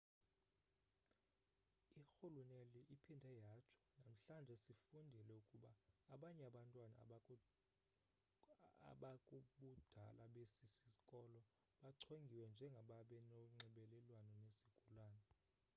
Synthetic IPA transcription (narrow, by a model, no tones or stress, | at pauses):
ixuluneliʔipʰindʱɛjat͡ʃʰɔ̥nam̩ɬand͡ʒʱɛsifundʱilɛukʼuɓaːɓaɲɛaɓantʼwana̰ | ɓakʼuɓud̥ʱalaɓesisikʼɔlɔ | ɓaǀʰeŋɡʱiwɛnd͡ʒʱɛŋɡʱaɓaɓɛnɔŋ͡ǀɛɓɛlɛlwanɔnesi̥ɡ̥ʱulaːnɛ